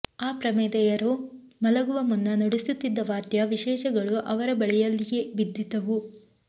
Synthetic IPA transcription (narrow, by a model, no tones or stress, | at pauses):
aːpɾɐmɛːd̪ɛjɐɾo | mɐlɐɡuʋɐmunːɐnoɽisut̪ːid̪ːɐʋaːt̪jɐʋiʃɛːʃɐɡɐɭuʔɐʋɐɾɐbɐɭɛjɐlːije̞bid̪ʱːit̪ɐʋu